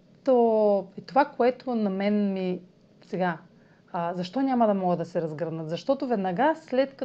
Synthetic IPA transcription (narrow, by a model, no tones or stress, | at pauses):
t̪oit̪ovakoɛt̪onɐmɛnmi | sɛɡa | zɐʃt̪ɔnʲamɐd̪ɐmɔɡəd̪ɐsɛɾɐzɡɾnət̪zɐʃt̪ɔt̪ovɛd̪nɐɡaslɛt̪kɐ